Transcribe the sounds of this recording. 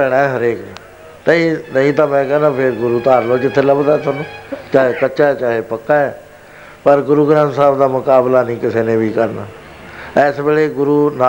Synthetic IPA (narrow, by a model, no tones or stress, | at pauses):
ɛːɽaːɛɦəɾeːkni | nəĩːnəĩːt̪ãːmɛ̃ːkɛːnãːpʰɪɾɡʊɾuːt̪aːɾloːd͡ʒɪt̪ʰːeːləbd̪aɛːt̪anũːt͡ʃaːɦeːkət͡ʃaːɛːt͡ʃaːɦeːpəkːãːɛː | pəɾɡʊɾuːɡɾãːnsaːbd̪aːmʊkaːblaːnəĩːkɪseːnẽːʋiːkəɾna̰ː | ɛːsbeːleːɡʊɾuːnaː